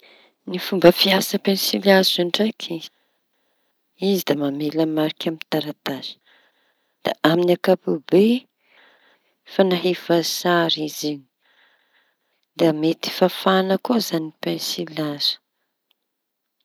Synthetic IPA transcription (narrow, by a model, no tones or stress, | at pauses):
nifumbəfiasəpensilazuɳɖ͡ʐakʰi̥ | izid̪amameləmaɾikʲamint̪aɾat̪azə̥ | d̪̥a̰ʔaminakapube | fanaɦivazaɾiziɲi̥ | d̪amet̪i̥fafanəkozanipensilazə̥